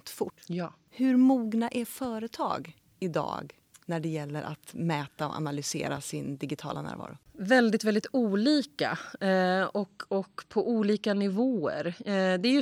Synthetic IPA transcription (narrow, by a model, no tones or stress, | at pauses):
t̪fʊʈː | hɵɾmuːɡnaʔæɾfœːɾət̪ʰɑ̰ːɡ | ɪd̪ɑ̰ːɡ | næɖɛjɛlːəɾʔa̰t̪mɛːt̪aɔ̰ʔa̰nalʏsḛːɾasɪnd̪ɪɡɪt̪ʰɑ̰ːlanæ̰ːɾvɑ̰ːɾʊvɛld̪ɪt̪vɛld̪ɪt̪uːliːka̰ | ɔkɔkːpʰɔʔuːliːkanɪvoːə̰ɾd̪ɛæɾj